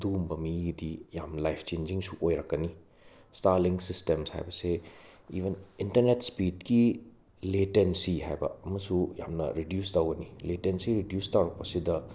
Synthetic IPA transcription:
dumbɐmiɡidijamlajpʰt͡ʃend͡ʒiŋsuʔojɾɐkːɐni | staɾliŋsistemsha̰jbɐseiβʱenintɐɾnetspidki | letensiɦa̰jbɐ̰ɐmɐsuja̰mnɐ̰ɾidjustɐwɡɐniletensiɾidjustɐwɾɐk̚pɐsidɐ

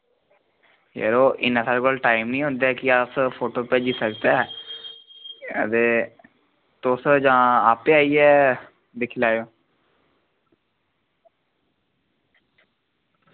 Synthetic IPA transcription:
jə̰ɾoːʔɪ̰nãːsaːlkoːlʈaːɪmnĩːɦʊ̃nd̪aːkɪaspʰoːʈoːpeːd͡ʒiːsəkd̪a | ə̰t̪eː | t̪osd͡ʒãːaːpeːaːiːɛː | d̪ɪkʰlaːjoː

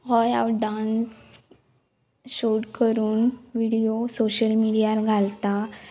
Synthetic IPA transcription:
ɦɔjawʈɖans | ɕoʈkəɾuːnʋiɽijosoɕəlmiɽijaɾɡʱalt̪a

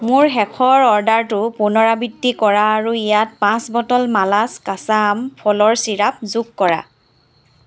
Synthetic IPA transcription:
mʊɹxɛkʰɔɹɔɹdaɹtʊpunɔɹabidːikɔɹaːɹuijat̚pãsbɔtɔlmalaskasampʰɔlɔɹsiɹap̚zukkɔɹa̰

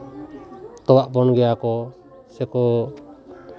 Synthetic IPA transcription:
t̪ɔwaʔpɔnɡɛjakɔ | sɛkɔ

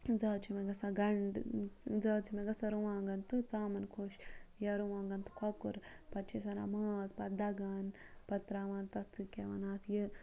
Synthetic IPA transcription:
d͡zɐːt͡ʃʰimeɡɐsaɡɐɳɖd͡zɐːt͡ʃʰimeɡɐsɐɾuʋãːŋɡɐnt̪ɨt͡saːmɐnkʰoːʃjɐɾuʋãːŋɡɐnt̪ɨ̥kʰɐkṵɾpɐt̪t͡ʃʰisɐna̰maːzpɐd̪ɐɡaːnpɐt̪ɾaːʋaːnt̪ɐt̪ʰɨkʲeʋɐnaːt̪ʰjɨ

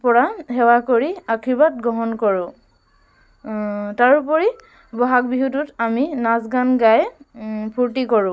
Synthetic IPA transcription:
pɔɹahɛwakoɹiakʰiɹbat̚ɡɔɦɔnkɔɹʊ̃ | taɹup̬ɔɹi | bɔɦak̚biɦututaminasɡanɡajpʰuɹtikɔɹʊ̃

